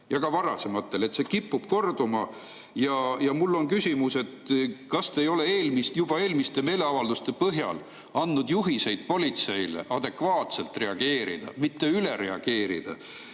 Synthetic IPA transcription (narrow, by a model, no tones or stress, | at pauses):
jɑɡɑvɑɾɑse̞mɑt̪ːˑe̞le̞t̪se̞kipːub̥ko̞rd̪umɑ | jɑjɑmulːo̞nkysʲimuse̞t̪kɑst̪ejo̞le̞eːlmist̪jub̥ɑe̞ːlmist̪e̞me̞ːle̞ɑvɑld̪̥ust̪e̞pɤɦjɑ̰l | ɑnːud̪̥juɦise̞jd̪̥̚po̞lʲit̪se̞jlḛʔɑd̪e̞kvɑːt̪se̞lt̪ˑre̞ɑɡ̥e̞ːɾḭd̪̥ɑ̰mit̪ːe̞yleɾe̞ɑɡ̥e̞ːɾḭd̪̥ɑ̰